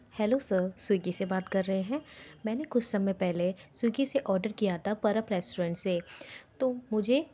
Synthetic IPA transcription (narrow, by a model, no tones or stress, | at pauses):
hɛːlosəsʊɡisebaːt̪kɐɾːɐɦeɦɛ̃ːmɛ̃ːnekʊt͡ʃʰsɐmepɛɦlesʊːɡiseʔɔːɾɖəɾkijat̪ʰapɐɾəpɾɛːsʈuːɾə̃ːɳʈseːt̪oːmʊd͡ʒʱe